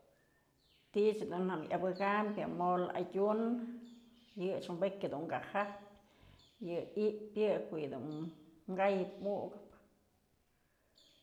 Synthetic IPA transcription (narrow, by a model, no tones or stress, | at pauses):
t̪it͡ʃhd̪unhamjʔa̰bɨɡampjamola̰ɟʲun | jɨʂmbekʲad̪uŋɡahapʲ | jɨiʔpjɨkojɨd̪ṵnŋɡajɨp̚muɡɨp